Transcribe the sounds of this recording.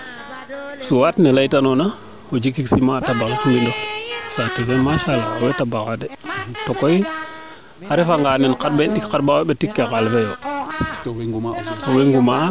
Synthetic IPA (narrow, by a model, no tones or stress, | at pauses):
suwatnelaitanona | od͡ʒikːiksimatabaŋfulindosatevemaʃalakawetabakadetokoi | aɾefaŋɡanenkat̚benɗikkaɾbaeɓetikːekalfejo | towiŋɡuma